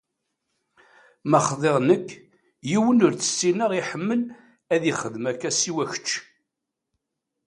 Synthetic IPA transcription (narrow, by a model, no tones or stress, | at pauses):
mæχðˤeʁnəkː | jiwənʊɾt͡sə̥sːinəʁiħəmːəl | æðiχəðmækːæsiwæçə̥t͡ʃː